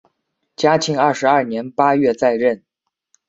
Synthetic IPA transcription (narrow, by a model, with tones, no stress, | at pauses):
t͡ɕja˥t͡ɕʰi˥ŋɐ˞˥˩ʂɻ̩˧˥ɐ˞˥˩njɛ˧˥npa˥ɥɛ˥˧t͡sa˥˧ɪɻə˥˩n